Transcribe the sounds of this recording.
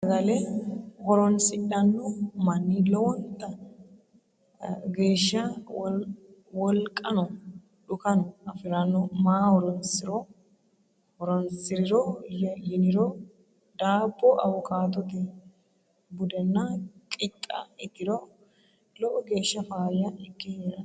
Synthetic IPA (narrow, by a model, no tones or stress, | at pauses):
ɐɡɐlɛhɔɾɔnsɪɗɐnːɔmɐnːilɔwɔnt̪ɐ | ɡe̞ːʃːɐw | wɔlkʼːɐnɔ | ᶑʊkɐnɔɐfɪɾɐnːɔmaːhɔɾɔnsɪɾɔ | hɔɾɔnsɪɾɪɾojɪnɪɾoː | d̪aːbːoʔɐwɔkaːt̪ɔt̪ɛ | bʊd̪ɛnːakʼɪt̪ʼːɐ̰ɪkːɪɾoː | lɔʔɔɡe̞ːʃːɐfaːɾjɐɪkːɪɐ